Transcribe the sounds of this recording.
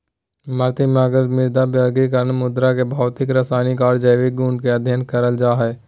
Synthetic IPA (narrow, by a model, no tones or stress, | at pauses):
məɾt̪imaɡəɾmɪɾd̪abəɾɡikəɾənmʊd̪ɾakebʱaːʋt̪ɪkɾasaːnikaːɾd͡ʒəjʋɪk̚ɡuːɳkeɐd̪ʱjənkəɾəld͡ʒaːɦɛː